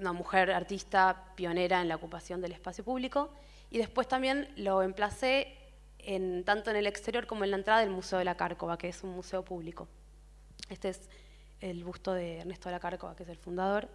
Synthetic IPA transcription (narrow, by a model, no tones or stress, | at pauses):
unamuxe̞ɾaɾt̪ist̪apjo̞ne̞ɾaenlaokupasjo̞nd̪e̞lespasjo̞puβliko̞ | iðe̞spwe̞st̪ambje̞nlo̞emplase̞ː | nt̪ant̪o̞e̞ne̞le̞kst̪e̞ɾjo̞ɾko̞moenlaent̪ɾaðaðelmuseoelakaɾkoβakeesunmuseo̞puβliko̞ | est̪e̞es | elβust̪o̞ð̞eːɾnest̪oelakaɾkoβa̰keeselfund̪að̞o̞ɾ